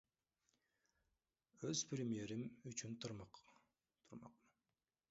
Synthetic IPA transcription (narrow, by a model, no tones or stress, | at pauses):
øz̥pɾʲemije̞ɾimyt͡ʃynt̪ʰuɾmɑq | t̪ʰuɾmɑ̰qmɯ